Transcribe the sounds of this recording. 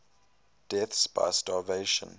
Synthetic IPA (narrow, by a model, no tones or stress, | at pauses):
d̥ɛθsba̰ɪstɑːveɪʃə̰̃n